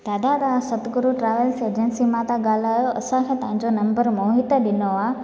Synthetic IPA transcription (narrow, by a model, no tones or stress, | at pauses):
t̪aːd̪ʱat̪ãsɐt̪ɡʊɾuʈɾaːʋəlseːd͡ʑənsimãt̪ãɠaːl̤aːjoʔɐsãkʰẽːt̪ɐ̃ɦãɲd͡ʑonɐ̃mbəɾmoːɦɪt̪əɗɪnoaː